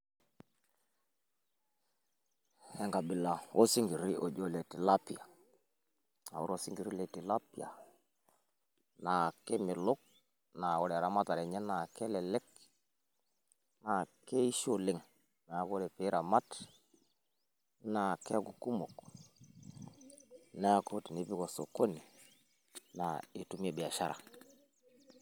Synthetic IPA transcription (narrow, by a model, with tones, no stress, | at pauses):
hɛ˦˨ŋɡa˨bi˨la˨o˦si˦ŋɡi˨ɾi˦ʔo˨d͡ʒo˦˨le˨ti˨la˦pi˨a˨ | a̰˨wṵ˦ɾo˨si˦ŋɡi˨ɾi˦le˨ti˨la˦pi˦˨a̰˨ | na˨ke˦mɪ˨lo˦k̚ | na˨o˨ɾe˨ɾa˨ma˦ta˨ɾɛ˨ɲɛ˦na˨kɛ˦lɛ˨lɛ˦k̚ | na˨ke˦i˦ʃo˦lɪ˦ŋ | na˨ja˦ko˦ɾe˨pɪ˦ɾa˨ma˦t | na˨ke˦ku˨ku˦mo˨k | na˦a˦ko˦ti˨ni˦pi˦ko˨so˨ko˦ni˨ | na˨i˨tu˨m˦e˦˨bɪ˨a˨ʃa˦ɾa̰˨